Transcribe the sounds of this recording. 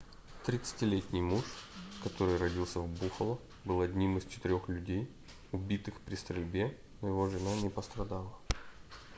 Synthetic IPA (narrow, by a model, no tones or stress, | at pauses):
t̪ɾʲɪt̪sɨ̥tʲɪlʲetʲnʲɪjmuʂkɐt̪o̞ɾɨjrɐdʲilˠsʲəvbuxəlˠə | bɨlˠɐdʲnʲimɨst͡ɕɪ̥t̪ɪɾʲo̞xlʲʉdʲej | ʊbʲit̪ɨxpɾʲɪst̪ɾʲɪlʲbʲe | nojɪvo̞ʐɨnanʲɪpəst̪ɾɐd̪alˠə